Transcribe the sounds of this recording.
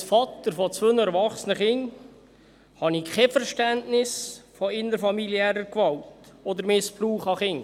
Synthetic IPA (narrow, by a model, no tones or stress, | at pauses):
sfɑt̪əɾfɔt͡sʋønəɛɾʋɑχsənəχɪŋ | hɑnikʰɛfəɾʃtæntnɪsfɔɪnːəɾfɑmiliɛːɾəkʋɑwtɔd̪əɾmɪspruːχɑχɪŋ